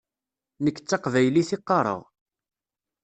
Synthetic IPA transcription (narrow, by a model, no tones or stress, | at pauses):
nəkːə̥t͡sːɑqvæjliθɪqːɑɾˤə̰ʁ